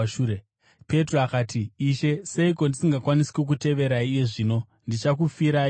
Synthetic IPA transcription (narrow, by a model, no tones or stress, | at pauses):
ʃuɾe | pe̞troakaːtiːʃe̞se̞iko̞ndisiŋɡakwanisi̥kuk̬ute̞ʋe̞ɾaiːje̞ʐiːno̞ | ndit͡ʃak̬ufiɾa